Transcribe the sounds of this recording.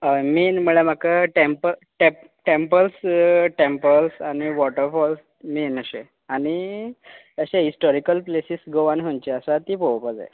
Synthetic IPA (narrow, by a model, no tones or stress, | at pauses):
əmiːnməɭem̤akaʈempəʈe | ʈempəlsʈempəlsañiʋɔʈəɾfɔls | miːnəɕe | añi | əɕeɦisʈɔɾikəlplesisɡoʋanɦont͡ɕeəsat̪iːpowpəd͡za̰j